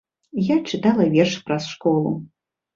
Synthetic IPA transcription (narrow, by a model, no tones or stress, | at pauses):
jat͡ʂɨt̪alˠɐvʲɛrʂpɾɐsʂkɔlˠṵ